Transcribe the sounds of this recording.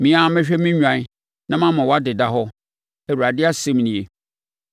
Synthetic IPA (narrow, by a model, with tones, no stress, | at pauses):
mĩ˨˦ã˨˦mɪ̃˦ɕᶣɛ˦mĩ˦ɲᶣã˨˦ | nã˦mã˦mã˨wa˦dɪ˨da˦ɦɔ˦ | ɛ˨u˨ɾa˨dɪ˦a˦sẽ˦m˦nĩ˨e˨